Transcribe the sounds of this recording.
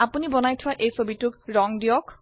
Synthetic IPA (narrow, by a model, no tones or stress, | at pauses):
apunibɔnajtʰʊwaʔejsobitʊkɹɔŋdiɔk